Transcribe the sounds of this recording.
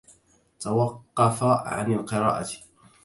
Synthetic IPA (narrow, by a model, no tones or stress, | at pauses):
t̪awɑqːɑfaʕa̰nalqɨɾɑ̰ːʔa̰t̪